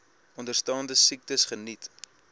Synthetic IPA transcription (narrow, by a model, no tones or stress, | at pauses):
ɔndərstɑːndəsik̚təsχənit